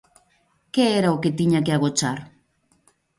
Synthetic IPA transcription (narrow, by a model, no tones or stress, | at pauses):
keːɾaoket̪iɲak̬eaɣot͡ʃaɾ